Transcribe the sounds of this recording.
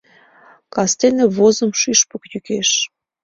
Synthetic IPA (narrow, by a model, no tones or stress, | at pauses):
kɑst̪enĕβozə̆mʃyʃpəkjykeʃ